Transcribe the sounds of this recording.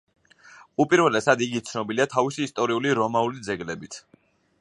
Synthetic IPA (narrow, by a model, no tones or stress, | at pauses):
upʼiɾvɛlɛsad̪iɡit̪sʰnɔbiliat̪ʰavisiːst̪ʼɔɾiuliɾɔmaulid̪zɛɡlɛbit̪ʰ